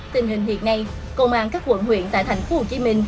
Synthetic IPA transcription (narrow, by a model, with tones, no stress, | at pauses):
t̪ï˨˩ŋ̟ɦï˨˩ŋ̟hḭ˧˨ənna˧j | kə˧wŋ͡mʔaː˧˩nkaː˦˥k̚kwə̰˧˥nhwḭ˧˨ənt̪a̰ː˧˨t̪ʰa˨˩j̟fo˧ho˨˩t͡ɕi˧mï˧ŋ̟